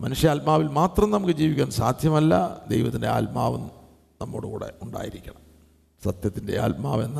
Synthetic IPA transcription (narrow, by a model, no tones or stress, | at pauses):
mɐnuʂjɐaːlmaːʋilmaːt̪rɐmnɐmukːɨd͡ʑiːʋikʲːaːnsaːd̪ʱjɐmɐlːɐ̰d̪ḛjʋɐt̪ːinde̞a̰ːlmaːʋun | nɐmːo̰ːɽukṵːɽe̞̰uɳɖa̰ːjiɾikʲːɐɳɐm | sɐt̪jɐt̪ːinde̞̰a̰ːlmaːʋe̞nː